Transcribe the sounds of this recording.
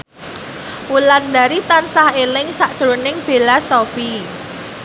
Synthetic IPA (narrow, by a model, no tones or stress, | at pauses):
wuland̪aɾit̪ansahelɪŋsaʔd̥ʒ̥ɾonɪŋb̥e̤lasɔfi